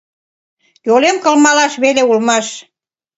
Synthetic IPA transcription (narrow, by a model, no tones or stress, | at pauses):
jolemkə̆lmɑlɑʃβeleulmɑʃ